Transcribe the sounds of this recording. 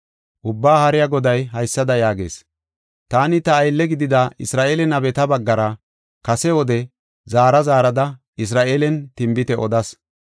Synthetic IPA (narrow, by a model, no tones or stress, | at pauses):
ʔʊbːaːhɐɾɪjaɡɔd̪ɐjɦɐjsːɐd̪ɐjaːɡe̞̰ːs | t̪aːnɪt̪ɐːjlːɛɡɪd̪ɪd̪ɐɪsɾaːʔeːlɛnɐbɛt̪ɐbɐɡːɐɾɐ | kɐsɛwɔd̪ɛ | zaːɾɐzaːɾɐd̪ɐ | ɪs̬ɾaːʔeːlɛnt̪ɪmbɪt̪ɛʔɔd̪ɐs